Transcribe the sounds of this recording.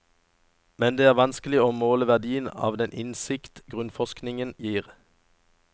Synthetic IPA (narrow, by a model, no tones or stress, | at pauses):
mɛnd̪eːæːʁʋɑnsklɪoːmoːləʋæʁd̪iːənɑ̰ːʋd̪ɛnʔɪnsɪkt̪ɡʁʉnfɔsknɪŋənjiːʁ